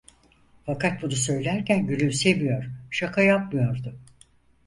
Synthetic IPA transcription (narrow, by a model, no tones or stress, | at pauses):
fakʰat̪̚bunusø̞jlʲæɾcænɟylʲymse̞vijo̞ɾ̥ʃakʰajap̚mɯjo̞ɾd̪ʊ